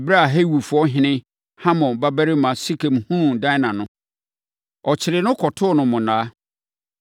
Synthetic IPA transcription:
bɾa˦a˨ɦe˦wu˨fʊ˨˦ɔ˦ɦɪ̃˦nɪ̃˦ | hã˦mɔ̃˨ba˦bæ˦ɾɪ˦mã˨si˦kʰẽ˨mhũ˦dã˦nã˨nʊ̃˦ | ɔ˨t͡ɕʰɪ˨ɾɪ˨nʊ̃˦kʰɔ˨tʰʊ˦˨nʊ̃˨mʊ̃˨nãː˨˦

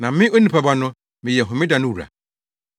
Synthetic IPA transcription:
nã˨˦mɪ̃˦o˦nĩ˨pʰa˨ba˦nʊ̃˦ | mɪ̃˨jɛ˨ɦʊ̃˨mɪ̃˦da˨nʊ̃˦wu˨ɾa̰˨

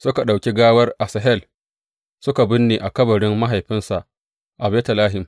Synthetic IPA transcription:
sʊ˦ka˨ɗa˨wkʲi˦ɡaː˦wɐ˦rʔa˨sɐ˨ɦɛ˦l | sʊ˦ka˨bɪ˦nːeː˨ʔa˨kɐ˦bɐ˨ɽɪ˦mːa˦ɦa˨jɸɪ˦nsa˨ʔ | ʔa˨bɛː˦tɐ˨laː˦ɦɪ˨m

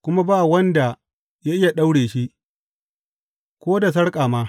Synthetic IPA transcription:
kʷʊ˦ma˦baː˦˨wɐ˦nda˨ | ja˦ʔɪ˦ja˨ɗa˦wɽeː˨ʃi˦ʔ | kʷoː˦da˨s̬ɐ˦ɽkʼaː˨maː˦

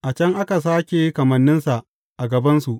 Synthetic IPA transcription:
ʔa˨t͡ʃɐ˦ŋʔa˦ka˨s̬aː˦kʲe˨˦kɐ˨mɐ˨nːɪ˦nsa˨ʔ | ʔa˨ɡɐ˨bɐ˦nsu˨ʔ

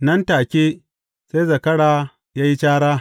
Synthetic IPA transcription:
nɐ˦ntaː˨kʲeː˦ | se˦jzɐ˨kɐ˦ɽaː˨ | jaː˦ji˦t͡ʃaː˦ɽaː˦

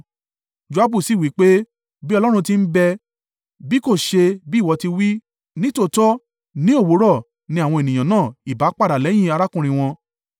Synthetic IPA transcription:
d͡ʒo˧a˦bu˦˨si˦˨wi˨˦k͡pe˦ | bi˦ɔ˧lɔ˦ɾ̃ũ˧ti˦m̩˦bɛ˧ | bi˦ko˦˨ʃe˧bi˦˨wɔ˧ti˧wi˦ | nĩ˦to˦˨tɔ˦ | nĩ˦o˦˨wo˨˦ɾɔ˦˨ | nĩ˧a˨w̃ɔ̃˧e˨nĩ˨j̃ã˨nãː˦˨i˨ba˨˦k͡pa˦˨da˨lɛ˨˦j̃ĩ˦˨a˧ɾa˦kũ˦˨ɾ̃ĩ˧w̃ɔ̃˧

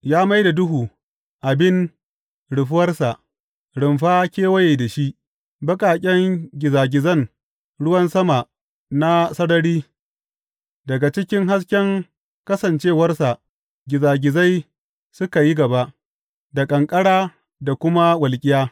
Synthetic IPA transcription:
jaː˦ma˦jda˨dʊ˦ɦuː˨ | ʔa˨bɪ˦n | ɽʊ˨ɸʊ˦wɐ˦rsa˨ʔ | ɽɪ˨mɸaː˦kʲeː˦wɐ˦jeː˨da˨ʃi˦ʔ | bɐ˦kʼaː˨kʲʼɛ˦ŋɡʲɪ˨zaː˨ɡʲɪ˨zɐ˦˨ŋ | ɽʊ˦wɐ˦nsɐ˦ma˨ | na˦sɐ˦ɽɐ˦ɽiː˦ | dɐ˨ɡa˨t͡ʃɪ˦kʲɪ˦ŋɦa˦s̬kʲɛ˦ŋ | kɐ˦sɐ˨nt͡ʃeː˦˨wɐ˦rsa˨ʔ | ɡʲɪ˨zaː˨ɡʲɪ˨za˦j | sʊ˦ka˨ji˦ɡɐ˨ba˦ʔ | da˨kʼɐ˨ŋkʼɐ˦ɽaː˦ | da˨kʷʊ˦ma˦wɐ˨lkʲʼɪ˦jaː˦

